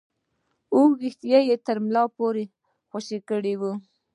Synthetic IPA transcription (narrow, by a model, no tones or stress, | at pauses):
uɾɪxt̪ijajet̪əɾmlɑpoɾe | xaʃikəɽiwu